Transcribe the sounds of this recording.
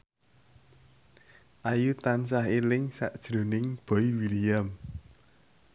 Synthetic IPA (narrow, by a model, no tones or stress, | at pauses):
ʔajut̪ansaɦelɪŋsaʔd̥ʒ̥ɾo̤nɪŋb̥ɔ̤iwiliam